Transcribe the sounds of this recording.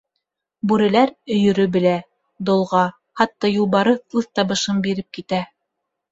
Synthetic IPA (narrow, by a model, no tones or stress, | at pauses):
bʉɾɘ̆læɾɵ̆jɵ̆ɾɵbɘ̆læ | d̪ŏlˠʁɑ | hɑt̪ːɑjulˠβɑɾɤθlˠɤθt̪ɑβɤ̆ʃɤmbiɾɘp̚kit̪æ